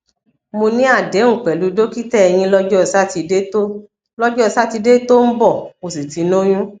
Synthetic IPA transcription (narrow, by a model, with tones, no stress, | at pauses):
mo˧nĩ˦a˦˨dɛ˨˦ŋ̩̃˦˨k͡pɛ˨lu˨˦do˦ki˦tɛ˦˨ɛ˧j̃ĩ˧lɔ˦d͡ʒɔ˦˧˨sa˦ti˧e˦to˦ | lɔ˦d͡ʒɔ˦˧sa˦ti˧de˦to˦m̩˦bɔ˦˨mo˨si˨ti˨˦no˦j̃ũ˦